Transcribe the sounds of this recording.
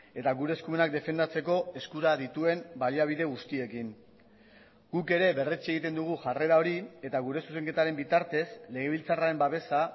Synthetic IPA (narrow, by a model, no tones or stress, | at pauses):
e̞t̪aɣuɾe̞ːskume̞nak̚d̪e̞fe̞nd̪at͡se̞ko̞e̞skuɾaðit̪ue̞mbaliaβ̞iðe̞ɣ̞ust̪ie̞kin | ɡ̥uke̞ɾe̞βe̞ret͡seɣ̞it̪e̞nd̪uɣ̞uʝare̞ɾao̞ɾie̞t̪aɣuɾe̞suse̞ŋke̞t̪aɾe̞mbit̪aɾt̪e̞sle̞ɣ̞e̞β̞ilt͡saraɾe̞mbaβe̞sa